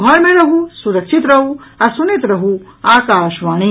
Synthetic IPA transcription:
ɦɐɭmẽɾɐɦusuɾɐkʃit̪ɾɐɦuɐsunet̪ɾɐɦuaːkaːʃʋaːɽ̃i

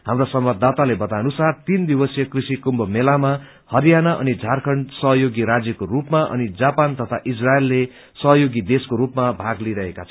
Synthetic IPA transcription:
ɦamrosʌmbʌd̪ʱːat̪alebʌt̪anusart̪ind̪ibʌsjʌkrisikumbʌmelama | hʌɾijanaʔʌ̰nid͡zʱarkʰʌɳɖsʌɦʌjoɡiɾad͡zjʌkorupmaʔʌ̰nid͡zapant̪ʌt̪ʰaʔisraelːe | sʌɦʌjoɡid̪eskoɾupmabʱaɡliɾʌɦekat͡sʰʌ

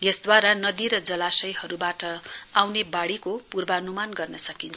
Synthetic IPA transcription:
jesd̪waɾanʌd̪iɾʌd͡zʌlasʌjhʌɾubaʈʌawnebaɽikopurbaʌnumanɡʌrnʌsʌkint͡sʰʌ

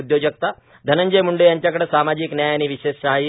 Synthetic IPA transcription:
ud̪jod͡ʑək̚t̪a | d̪ʱənəɲd͡ʑəjmuɳɖejaɲt͡ɕjakəɽesamad͡ʑiknjajañiʋiɕesɕaɦai

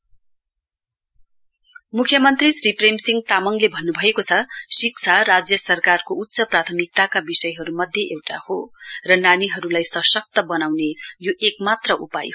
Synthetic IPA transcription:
mukʰjʌmʌnt̪risripremsiŋɡ̚t̪amʌŋlebʱʌnːubʱʌekot͡sʰʌsik̚t͡sʰarad͡zjʌsʌrkarkout̪ːsʌprat̪ʰʌmik̚t̪akabisʌjɦʌɾumʌd̪ʱjeʔewʈahorʌnaniɦʌɾulajsʌsʌk̚t̪ʌbʌnawnejoʔekmat̪rʌʔupa̰jo

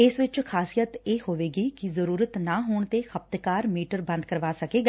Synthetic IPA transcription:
ɪsʋɪt͡ʃkʰaːsijət̪eːhoːʋeːɡiːkɪzəɾuːɾət̪naːɦoːɳt̪eːxʰəp̚t̪kaːɾmiːʈəɾbə̃nd̪̚kəɾʋaːsəkeːɡaː

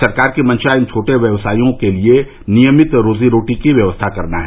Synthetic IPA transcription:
ɐɾkaːɾkimɐ̃nt͡ʃaɪ̃nt͡ʃʰoːʈeʋjɐʋsaːijõkelie | nijəmɪt̪ɾoːziɾoːʈikiʋjɐʋəst̪ʰakɐɾnaɦɛ

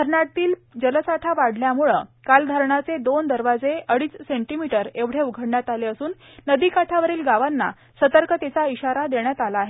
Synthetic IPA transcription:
əɾnaʈt̪iːld͡ʑələsaʈʰaʋaɽljamuɭə̰kald̪ʱaɾɳat͡sed̪ond̪əɾʋad͡zeʔəɽiːt͡sseɳʈimiʈəɾeʋɽ̤euɡʱəɽɳjat̪aleəsuːnː | əd̪ikaʈʰaʋəɾiːlɡaʋanːa̰ | sət̪əɾkət̪et͡saiɕaɾad̪eɳjat̪alaːɦe

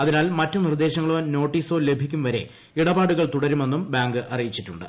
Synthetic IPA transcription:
ɐðinaːlmɐtːɨnird̪e̞ːɕɐŋːɐɭoːno̞ːʈːiːso̞ːle̞bʱikʲːumʋɐɾe̞̰ | iɽɐbaːɽuɣɐɭt̪uɽɐɾume̞nːumbaːŋɡɨʔɐrijit͡ɕːitːuɳɖɨ̰

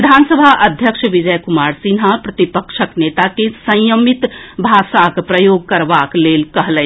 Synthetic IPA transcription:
id̪ʱansəbʱaʔəd̪ʱjəkʃʋid͡ʒəjkumaːɾsinɦapɾət̪ipəkʃəknet̪akesə̃jəmit̪bʱaʃakpɾəjoɡ̚kəɾbaklelkəɦlɛ̃

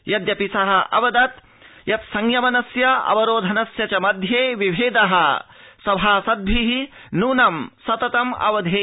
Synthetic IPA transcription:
jɐd̪jɐpisɐɦɐʔɐ̰ʋɐd̪ɐt̪ | jɐt̪sɐŋjɐmɐnɐsjɐɐ̰ʋɐɾoːd̪ʱɐnɐsjɐt͡ʃɐmɐd̪ʱjeːʋiʋʱeːd̪ɐɦɐsɐbʱaːsɐd̪̚bʱiɦinuːnɐmsɐt̪ɐt̪ɐmɐ̰ʋɐd̪ʱeː

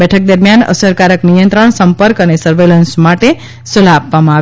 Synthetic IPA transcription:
bɛʈʰək̚d̪əɾmjanə̰səɾkaɾəknijənt̪ɾəɳ̃səmpəɾkənesəɾʋelənsmaʈe | səlaːpʋamãa

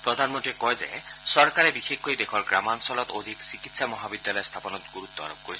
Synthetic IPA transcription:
pɹɔd̪ʱanmɔntikɔjzḛsɔɹkaɾebixexkojd̪ekʰɔɹɡɹamansɔlɔt̪od̪ʱiksikit̪samɔɦabid̪ːjalɔjst̪ʰapɔnɔt̪ɡuɾut̪ːɔa̰ɾob̚koɾisʰ

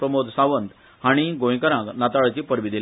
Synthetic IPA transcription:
pɾəmod̪saʋənt̪ | ɦaɽ̃iɡõj̃kəɾãknat̪aɭt͡ɕipəɾʋid̪il

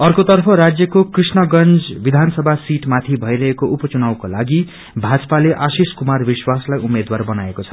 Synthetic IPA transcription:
ʌrkot̪ʌrpʰʌɾad͡zjʌkokrisnʌɡʌnd͡zbid̪ʱansʌbʱasiʈmat̪ʰibʱʌjɾʌɦekoʔupʌt͡sunawkolaɡi | bʱad͡zʌpaleʔasiskumarbiswaslajumed̪warbʌnaekot͡sʰʌ̥

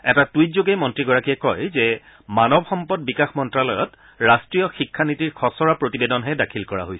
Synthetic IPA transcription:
ɛtatuitzoɡemɔntɹiɡɔɹakiɛkɔjzɛ | manɔbxɔmpɔd̚bikaxmɔntɹalɔjɔt | ɹastɹijɔxikʰːanitiɹxʰɔsɔɹapɹotibedɔnɦɛdakʰilkɔɹa̰ɦojsɛ

